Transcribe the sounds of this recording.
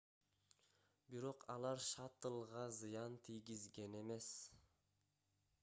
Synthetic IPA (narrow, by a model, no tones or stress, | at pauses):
biɾo̞qʰɑlˠɑɾʃɑt̪ɯlˠʁɑzɯjɑnt̪ʰijɡizɡe̞ne̞me̞s